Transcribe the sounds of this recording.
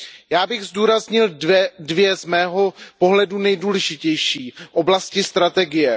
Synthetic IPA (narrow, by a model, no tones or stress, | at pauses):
jaːbɪɣzduːɾazɲɪldvjɛzmɛːɦo̞po̞ɦlɛdunɛjduːlɛʒɪcɛjʃiːʔo̞blascɪst̪ɾat̪ɛɡɪjɛ